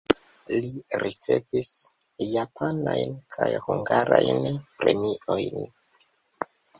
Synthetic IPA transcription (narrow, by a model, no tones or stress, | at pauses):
liɾit͡se̞̰vis | japʰanajnkʰajhuŋɡaɾajnpɾe̞miʔo̞jn